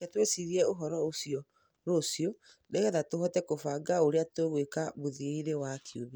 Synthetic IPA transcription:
ɛtwesiɾiɛoɦɔɾɔosiɔ | ɾosio | dɛɣɛðatohɔtɛkofaɡaoɾeatweɣwekaβoðiiɾewakʰioβi

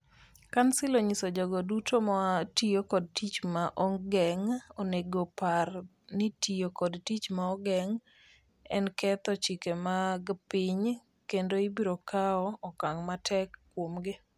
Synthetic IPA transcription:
kansɪloɲisod͡ʒɔɡɔdutʰomɔatijokɔd̚tit͡ʃmaʔɔŋɡɛŋoneɡopar | nɪtijokɔdtit͡ʃmaɔɡɛŋ | ɛ̰nkɛt̪ɔt͡ʃikemaɡpɪɲ | kendoibiɾokaɔːkaŋmatʰɛkːwomɡɪ

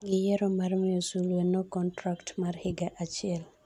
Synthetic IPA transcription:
ɡɪjɛɾɔmarmɪjɔsulwenɔkɔntɾaktmarhɪɡaʔat͡ʃɪɛl

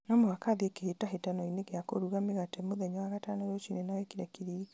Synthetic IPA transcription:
nɔmoakaðekehetaɦetanɔineɣeako̰ɾuɣameɣatɛmoðɛɲɔwaɣatanaɾot͡ʃinenawɛkiɾɛkiɾiɣa

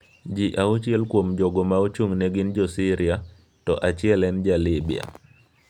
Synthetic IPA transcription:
d͡ʒiʔaut͡ʃjɛlkwomd͡ʒɔɡɔmaot͡ʃuŋneɡɪnd͡ʒɔsɪɾia | tɔʔat͡ʃɪɛlɛnd͡ʒalɪbia̰

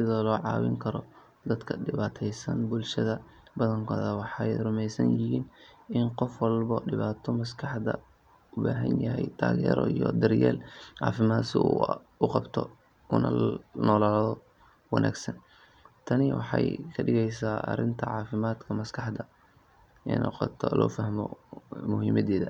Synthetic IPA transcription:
sɪðɔːlɔːʕɑ̰ːwɪ̰ŋkʰɐɾɔ | d̪ɐd̪kʰɐɖɪβaːt̪ʰɛjsɐnbʊlʃɐðɐ | bɐðɐŋkʰɔːðɐwɑħɑjrʊmɛjsɐnjɪhiːnɪnqɔfwɑlbɐɖɪβaːt̪ʰɔmɐskʰɑħd̪ɐ | ʊbaːɦɐnjɦɛjt̪ʰa̰ːɣɛ̰ːɾɔijɔd̪ɪrjɛːlʕɑ̰ːfɪmaːd̪sɪ | ʊqɑbt̪ʰɔ | kʰʊnɐnɔːlaːlðɔ | wɑnʔa̰ːɡsɐn | t̪ʰɐnɪwʔɑ̰ħɑjkʰɐɖɪɣɛjsaːʔɐ̰rɪnt̪ʰɐʕɑːfɪmaːd̪kʰɐmɐskʰɑħd̪ɐ | ɛnʔɔ̰qɑt̪ʰɔlɔ̰ːfɐhmɔ̰mʊɦiːmɐðɛːðɐ

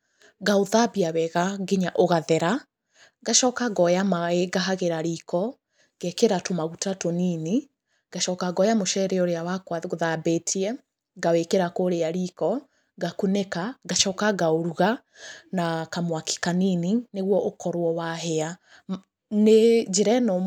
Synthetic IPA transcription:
ɡaoðabiawɛɣaɡeɲaʔoɣaðɛɾa | ɡaʃɔkaɡɔjamaeɡaɦaɣeɾaɾiːkɔ | ɡ̥ɛkeɾatomaɣutatonini | ɡ̥aʃɔkaɡɔjamoʃɛɾɛɔɾeawakwaoðabetʰiɛ | ɡawekeɾakoɾeaɾikɔ | ɡakunekaɡaʃɔkaɡaoɾuɣa | nakamwaki̥kaninineɣwɔʔokɔɾwɔwaɦɛa | ned͡ʒeɾɛno

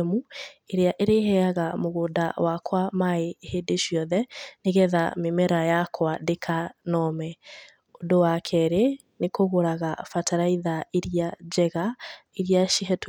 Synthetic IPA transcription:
mueɾeaʔeɾeɦɛaɣamoɣoːda̰wakwamaehedeʃiɔðɛneɣɛðamemɛɾajakʰwadekʰanɔmɛ | odowakʰɛɾe | nekoɣoɾaɣafataɾaiðaeɾiad͡ʒɛɣaeɾiaʃiɦɛt

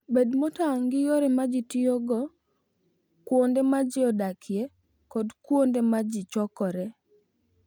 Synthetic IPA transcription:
bedmotaŋɡɪjoɾɛmad͡ʒitijoɡɔ | kwondemad͡ʒɪɔdakʰje | kɔdkwondemad͡ʒɪt͡ʃɔkɔɾɛ

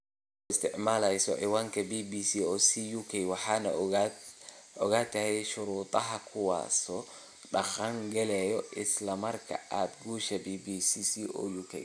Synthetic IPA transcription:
ɔɪst̪ɪʔmaːlajsɔ̰ʔɛwaŋkɛbibisiɔsijukajwaħana̰ | ɔɡat̪ːahɛjʃuɾuːt̪ʼaɦakʰuwa̰sɔ | ɗaxaŋɡɛlɛjɔʔɪslamɐɾka̰at̪̚ɡuʃabibisisiʔɔ̰jukḛj

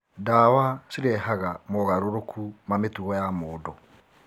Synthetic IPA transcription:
dawasiɾɛɦaɣamɔɣaɾoɾokʰumametuɣɔjamoːdo

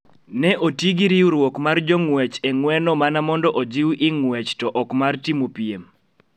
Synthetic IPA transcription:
nɛʔotiɡiɾiuɾwokmard͡ʒɔŋwɛt͡ʃɛŋwɛnɔmanamɔndɔʔod͡ʒiwʔɪŋwɛt͡ʃtɔʔɔkmartimopiem

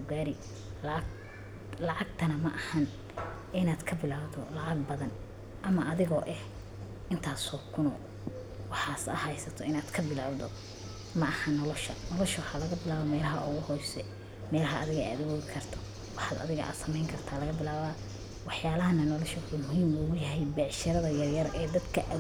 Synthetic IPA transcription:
ɡaːɾɪ | l | lɑʕɑɡ̚t̪ʰɐnɐmɐʔɐhɐn | ɪnaːd̪kʰɐbɪlaːwd̪ɔlɑʕɑɡ̚bɐðɐn | ʔɐmɐʔːðɪɣɔːʔɛh | ɪnt̪ʰaːsɔːkʰʊnɔ̰ː | wɑħɑːsɐ̰hɛjsɐt̪ʰɔɪnaːd̪kʰɐbɪlaːwd̪ɔ | mɐʔɐhɐnːɔlɔʃɐ̰nɔlɔʃɐwħaːlɐɣɐbɪlaːβɔmɛːlɐɦɐʔʊɣʊhɔjsɛ | mɛːlɐɦɐʔːðɪɣɐa̰ːd̪ɐwoːɣɪkʰɐrt̪ʰɔ | wɑħɑːd̪ɐ̰ðɪɣɐ̰ʔa̰d̪sɐmɛjŋkʰɐrt̪ʰaːlɐɣɐbɪlaːβaː | wɑħjaːlɐɦɐnɐnɔlɔʃɐwʊħuːmʊhiːmuːɣʊjɐɦɛjbɛʕʃɐɾɐðɐjɐrjɐɾʔɛːd̪ɐd̪kʰɐʔɐ

